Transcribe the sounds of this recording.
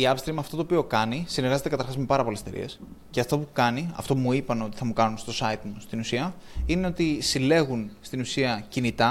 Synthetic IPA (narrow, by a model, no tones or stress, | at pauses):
iɐpst̪ɾimɐft̪o̞t̪oːpio̞kɐnisineɾɣɐze̞t̪ekɐt̪ɐɾxɐzme̞pɐɾɐpo̞lest̪eɾḭe̞̰s | ce̞ɐft̪o̞pukɐniɐ̰ft̪o̞pumuipɐno̞t̪i̥θɐmukɐnunst̪o̞sɐit̪must̪inusiɐineo̞t̪isile̞ɣunst̪inusiɐcinit̪ɐ